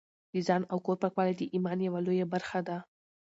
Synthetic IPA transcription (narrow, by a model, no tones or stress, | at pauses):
d̪izɑnawkoɾpakwɑlad̪əʔimɑnjawalojabaɾxad̪a